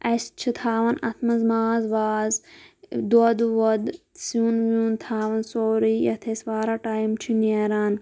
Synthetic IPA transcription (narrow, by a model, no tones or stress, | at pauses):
ɐst͡ʃʰit̪ʰaːʋɐnɐ̰t̪ʰmɐzmaːzʋaːzd̪od̪ʋɐd̪ | suːnʋjũːnt̪ʰaːʋɐnsoːɾiːjɐt̪ʰesʋaːɾaːʈaːimt͡ʃʰineːɾaːn